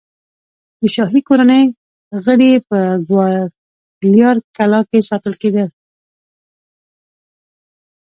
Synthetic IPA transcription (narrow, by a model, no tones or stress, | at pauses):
d̪əʃɑhɾikoɾanəj | ɣəɽepəɡwɑ | ljɑɾkalɑkesɑt̪əlked̪əl